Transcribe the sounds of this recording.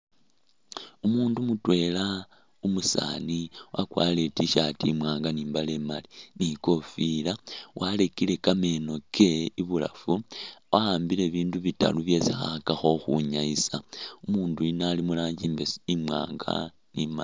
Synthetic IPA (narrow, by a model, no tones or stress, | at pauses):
umuːndumutwe̞la | umusa̰niwʔakwa̰le̞tiʃatimwaːŋɡaniːmbale̞maliniko̞filawʔale̞kile̞kame̞no̞kʰe̞iβula̰fuwaaːmbile̞βiːnduβita̰luβje̞sixakaxo̞xuɲaisaumuːnduinaːlimulaːɲɟimbesimwa̰ːŋɡa̰ | nimai